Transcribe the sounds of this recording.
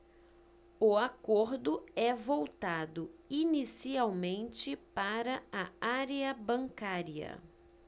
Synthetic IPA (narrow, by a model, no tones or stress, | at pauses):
ʊakoɾd̪ʊɛvowt̪ad̪ʊinisiawmẽnt͡ʃɪpaɾɐɐaɾeɐbɐ̃ŋkaɾiɐ̰